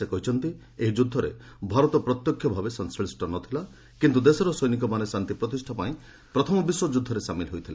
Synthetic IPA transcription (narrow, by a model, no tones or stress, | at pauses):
sekɔɦit͡ʃʰɔnt̪i | eɦid͡ʒud̪ʱːɔɾḛbʱaɾɔt̪ɔpɾɔt̪jɔkʰːjɔbʱabesɔnskɾisʈɔnɔt̪ʰila | kint̪ud̪esɔɾɔsɔjnik̬ɔmanesant̪ipɾɔt̪isʈʰapaĩ | pɾɔt̪ʰɔmɔbiswɔd͡ʒud̪ʱːɔɾesamilɦojt̪ʰila̰